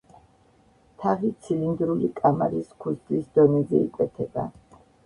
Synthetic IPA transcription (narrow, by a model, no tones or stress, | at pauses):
t̪ʰaʁit̪sʰilind̪ɾulikʼamaɾiskʰusd̪ʼlisd̪ɔnɛzɛikʼwɛt̪ʰɛba̰